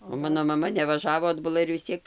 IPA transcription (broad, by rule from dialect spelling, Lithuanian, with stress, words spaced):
oː ˈmɑːnoː mɐˈmɐ nʲɛʋɐˈʒɑːʋoː ɐdbʊˈlˠɐ ɪr ʋʲɪs ˈt͡sʲiɛk